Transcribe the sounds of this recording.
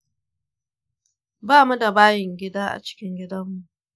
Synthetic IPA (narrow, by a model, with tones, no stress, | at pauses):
baː˦˨mu˦da˨baː˦jɪ˨ŋɡʲɪ˦daː˦ʔa̰˨t͡ʃɪ̥˦kʲɪ˦ŋɡʲɪ˦dɐ˦mːu˨ʔ